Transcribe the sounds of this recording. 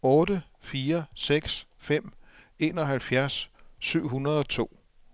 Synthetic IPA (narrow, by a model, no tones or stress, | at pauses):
ɔ̽ːdə | fiːɐseɡ̥s | fem̰ | e̝ːnɒ̽ɦælfjæɐsːyʊ̰ɦunɐðˠɒ̽t͡sʰo̝̰ː